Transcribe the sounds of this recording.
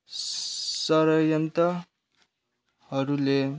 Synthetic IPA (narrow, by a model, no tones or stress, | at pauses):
sʌɾʌjʌnt̪ʌ | ɦʌɾule